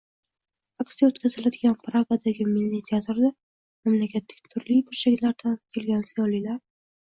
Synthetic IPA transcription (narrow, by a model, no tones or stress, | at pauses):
aksijaot̪kʲʰazɪlad̪ɪɡʲanpɾaɡad̪aɡʲɪmɪlːit̪ʰjat̪ɾd̪a | mamlakʲʰat̪ːaɡʲɪ̥t̪ʰʊɾlibʊɾʃakʲt̪laɾd̪ankʲʰe̞lɡʲansijɒlilaɾ